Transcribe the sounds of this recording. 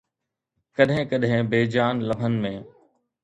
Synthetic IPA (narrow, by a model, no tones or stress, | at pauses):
kɐɗɦɪ̃kɐɗɦɪ̃beːd͡ʑaːnlɐbʱənɪ̆mẽː